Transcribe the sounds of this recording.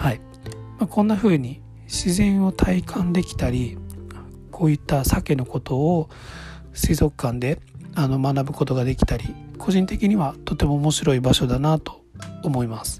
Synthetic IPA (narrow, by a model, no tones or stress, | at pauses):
hai | makõ̞nːaɸɯ̟ːɲ̟i | ɕizẽ̞ɰ̃o̞t̪ʰaikʰãnd̪e̞kʲi̥t̪aɾʲi | kʰo̞ːit̪ːasake̞no̞ko̞t̪o̞ː | sizo̞kɯ̥kːãnd̪e̞ano̞manabɯ̟ko̞t̪o̞ɡad̪e̞kʲi̥t̪aɾʲikʰo̞ʑĩnt̪e̞kʲiɲ̟iβat̪o̞t̪ːe̞mo̞ːmo̞ɕiɾo̞ibaɕo̞d̪anat̪o̥ːmo̞imasɨ̥